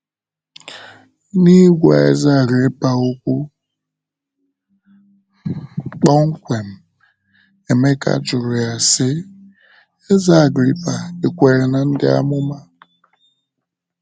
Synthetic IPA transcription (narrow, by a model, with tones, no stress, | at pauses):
ni˦ɡʷa̰˨ḛ˦za˦˨ɡɾi˦pa˨o˦kʷu˦ | k͡pɔ˦ŋ̩˦kʷe˨m̩˨ | e˨me˦ka̰˦d͡ʒʊ˨ɾʊ˨ja˨sɪ˦ | e˦za˦˨ɡɾi˦pa˨e˨kʷe˨ɾe˨na˨n̩˦dɪ˦a̰˦mʊ˦ma˦